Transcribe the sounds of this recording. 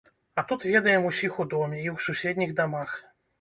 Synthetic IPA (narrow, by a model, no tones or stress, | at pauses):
ɐt̪ut̪vʲɛd̪ɐjɛmusʲixud̪ɔmʲɛiwsusʲɛd̪ʲnʲiɣd̪amax